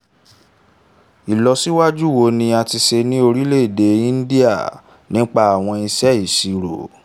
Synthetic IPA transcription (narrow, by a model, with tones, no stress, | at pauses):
i˨lɔ˧si˦wa˦d͡ʒu˦˨wo˧˦nĩ˧a˧ti˧se˧nĩ˦o˧ɾi˦le˦˨de˧˦ĩ˦n̩˦di˦a̰˦˨ | nĩ˦k͡pa˦a˨w̃ɔ̃˧i˧sɛ˦i˦˨si˧ɾo̰˨